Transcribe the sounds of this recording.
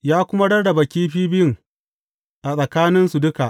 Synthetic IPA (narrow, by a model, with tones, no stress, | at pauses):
jaː˦kʷʊ˦ma˦ɽɐ˦rdɐ˨ba˨kʲiː˦ɸiː˦bɪ˦jɪ˨ŋ | ʔa˨sʼɐ˨kaː˦nɪ˦nsu˨dʊ˦ka˨ʔ